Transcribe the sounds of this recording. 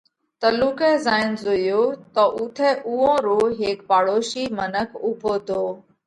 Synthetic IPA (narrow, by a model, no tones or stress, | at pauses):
t̪əluːkeːzaːɪnzojoːt̪əʔʊt̪ʰɛːʔʊɦõːɾoːɦeːkpaːɽoːʃiːmənəkʰʊbʱoːt̪ʰoː